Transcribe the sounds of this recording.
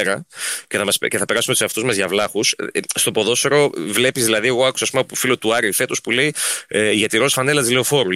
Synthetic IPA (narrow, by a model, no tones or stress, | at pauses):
ɾɐceθɐmɐsceθɐpe̞ɾɐsumeusɐft̪uzmɐzʝɐvlɐxusst̪o̞po̞ðo̞soɾo̞vle̞pizðilɐðie̞ɣo̞ɐku̥sɐːspumɐpufilo̞t̪uɐɾiθe̞t̪ospule̞iʝɐt̪iɾo̞lsfɐne̞lɐt̪izleo̞fo̞ɾu